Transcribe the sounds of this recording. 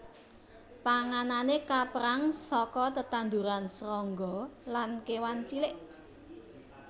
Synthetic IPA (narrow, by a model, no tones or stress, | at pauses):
paŋananekapəɾaŋsɔkɔt̪ət̪and̪uɾansɾɔŋɡɔlankewant͡ʃilɪʔ